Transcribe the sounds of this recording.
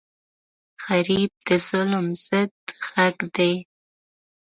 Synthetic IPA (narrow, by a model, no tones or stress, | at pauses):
xaɾib̚d̪əz̥ʊlmz̥əd̪ɣaɡd̪e